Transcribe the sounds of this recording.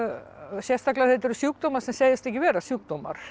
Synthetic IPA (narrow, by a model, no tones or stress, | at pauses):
sjɛst̪aklahɛt̪ɪɾʏsjuːk̚d̪oːmaɾ̥sɛmseːjɪst̪ɛhcːɪvɛːɾasjuːk̚d̪oːma̰ɾ̥